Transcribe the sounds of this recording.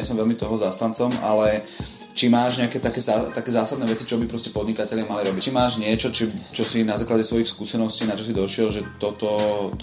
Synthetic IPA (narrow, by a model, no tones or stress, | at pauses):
asɔmʋɛlmit̪ɔɦɔzaːst̪ant͡sɔma̰lɛ | t͡ʃimaːʒɲɛakɛːt̪akɛːat̪akɛːzaːsad̪nɛʋɛt͡sit͡ʃɔbipɾɔscɛpɔd̪ɲikacɛʎɪamaliɾɔbit͡ʃimaːʒɲɪɛt͡ʃɔt͡ʃɔt͡ʃɔsinazaːklaɟɛsʋɔjixskuːsɛnɔsciːnat͡ʃɔsid̪ɔʃɪɛlʒɛt̪ɔt̪ɔ